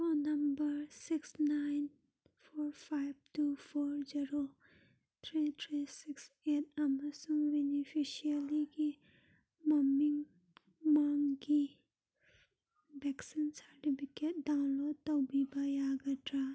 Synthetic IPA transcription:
ɔnɐmbɐɾsiksnajn | pʰoɾpʰajb̚tupʰoɾziɾo | t̪ʰɾit̪ʰɾisiks | et̚ʰɐmɐsuŋbenipʰisialiɡi | mɐmiŋ | maŋɡi | bɛksinsɐɾʈipʰiket̚dawnlod̚tɐwbibajaɡɐtʰɾa

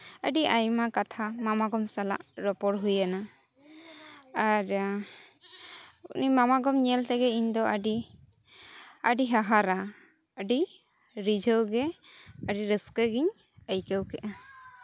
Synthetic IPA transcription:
ə̰ɖiajmakat̪ʰamamaɡɔmsala̰ʔɾɔpɔɽɦujana | aɾ | ṵnimamaɡɔmɲɛlt̪ɛɡɛiɲd̪ɔəɖi | əɖiɦaɦaɾa | əɖi | ɾid͡ʒʱəwɡɛ | əɖiɾəskəɡiɲ | əjkəwkɛʔa

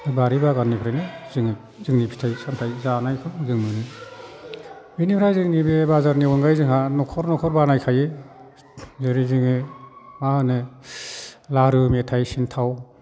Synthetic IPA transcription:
baɾibaɡanːipʰɾajnɯzɯŋ | zɯŋnipʰi̥tʰajsamtʰajzanajkʰɯmzɯŋmɯnɯ | binipʰɾajzɯŋnibebazaɾniɔnɡajzɯŋhanɔkʰɔɾnɔkʰɔɾbanajkʰaje | zɯɾizɯŋɯmahɯnɯ | laɾɯmetʰajsintʰaw

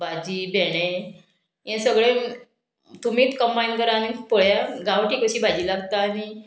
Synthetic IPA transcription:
bʱad͡ʑiːbʱeɽ̃ẽ | jɛ̃səɡɭẽ | t̪umiːt͡s̪kəmbajnkəɾaːnipoɭjaɡaʋʈiːkəɕiːbʱad͡ʑiːlaɡt̪aːni

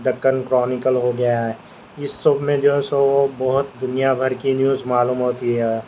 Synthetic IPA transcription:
d̪ɐkːənkɾɔːnɪkəlɦoɡɐjaɦɛ | ɪsːobmẽd͡ʒoːɦɛsoobɐɦʊt̪̚d̪ʊnijabʱɐɾkinjuːzmaːluːmɦoːt̪iɦɛː

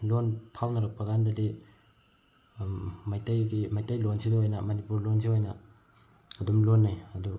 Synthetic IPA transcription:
lonpʰawnɐɾɐk̚pɐɡandɐdi | majtɐjɡimajtɐjlonsidɐɦojnɐmɐnipuɾlonsiɦojnɐ̰ː | dumlonːajɐdu

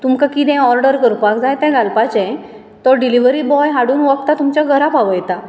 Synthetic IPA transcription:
t̪umkakit̪ɛ̃ɔɾɖəɾkəɾpakd͡zajt̪ɛ̃ɡalpat͡ɕɛ̃ | t̪ɔɾɖiliʋɾibɔjɦaɽuːnʋɔk̚t̪at̪umt͡ɕaɡʱəɾapaʋəjt̪a

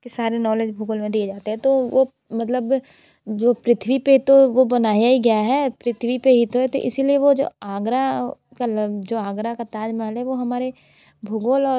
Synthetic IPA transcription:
kesaːɾenɔːleːd͡ʒbʱʊɡolmẽd̪ied͡ʒaːt̪eɦɛ̃t̪oʋo | mɐt̪ləb | d͡ʒoːpɾɪt̪ʰʋipet̪oʋobɐnaːjaɡjaɦɛːpɾɪt̪ʰʋipeɦit̪oɦɛt̪o̰ʔɪ̰silieʋod͡ʒo̰ːaːɡɾa | kald͡ʒoːaːɡɾakat̪aːd͡ʒmɐɦəlɦɛʋoɦɐmaːɾe | bʱʊɡolɔː

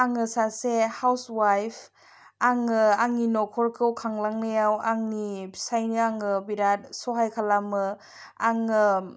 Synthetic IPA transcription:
aŋɯsasehawswajpʰ | aŋɯaŋninɔkʰɔɾkʰɯwkʰaŋlaŋnɯjawaŋnisajnɯaŋɯbiɾat̚sɔɦajkʰalamɯ | aŋɯ

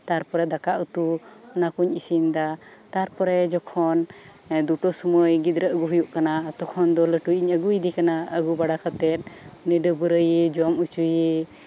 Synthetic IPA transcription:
t̪aɾpɔɾɛd̪akaʔut̪uɔnakuɲisind̪at̪aɾpɔɾɛd͡ʒɔkʰɔn | d̪uʈɔsɔmɔjɡid̪ɾəʔɡuɦujuʔkanat̪ɔkʰɔnd̪ɔləʈujiɲəɡuid̪ikanaəɡubaɽakʰat̪ɛt̪̚ˀuniɖəbəɾəjed͡ʒɔmut͡ʃuje

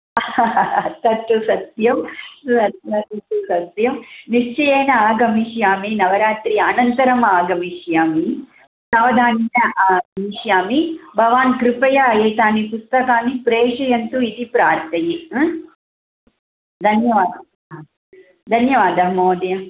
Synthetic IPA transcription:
t̪ɐt̪ːusɐt̪jɐmsɐt̪ɐt̪ɐt̪ːusɐt̪jɐmniʂt͡ʃɐjeːnɐaːɡʱɐmiʃjaːminɐʋɐɾaːt̪ɾiaːnɐnt̪ɐɾɐmaːɡɐmiʃjaːmi | saːʋɐd̪ʱaːninɐʔaːɡmiʃjaːmibʱɐʋaːnkɾɪpɐjɐːjeːt̪aːnipust̪ɐkaːnipɾeːʂɐjɐnt̪uid̪ipɾaːɾt̪ʰɐji | d̪ʱɐnjɐʋaːd̪ɐ | d̪ʱɐnjɐʋaːd̪ɐɦmoːd̪jɐ

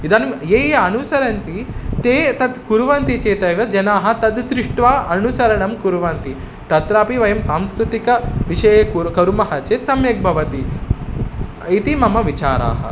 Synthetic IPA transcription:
id̪ɐnjeːjeɐnusɐɾɐnt̪it̪eːt̪ɐd̪kuɾʋɐnt̪it͡ʃeːt̪ɐːʋjɐd͡ʒɐnaːɦɐ̆t̪ɐd̪d̪ɾɪʂʈʋaːʔɐnusɐɾɐɳɐmkuɾʋɐːnt̪i | t̪ɐt̪ɾaːpiʋɐjɐmsaːmskɾɪt̪ikɐʋiʃɐjɐkukɐɾumɐɦɐt͡ʃeːt̪sɐmjɐk̚bʱɐʋɐt̪i | it̪imɐmɐʋit͡ʃa̰ːɾa̰ːɦɐ̰

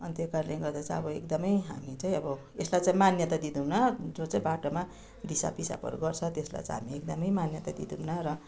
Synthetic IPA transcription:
ʌnt̪ekarlẽɡʌrd̪at͡sãʌbʌekd̪ʌmʌjɦa̰mit͡saĩʌbʌ | eslajt͡saĩmanjʌt̪ad̪id̪umnʌd͡zot͡saĩbaʈoma | d̪isa̰pisa̰pʌ̰ɾuɡʌrt͡sʰʌt̪esla̰jt͡saɦa̰miekd̪ʌmʌjmanjʌt̪ad̪ḭd̪umnʌɾʌ

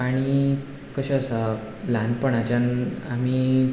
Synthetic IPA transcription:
aɽ̃i | kəɕeəsə | lanpəɳat͡ɕanami

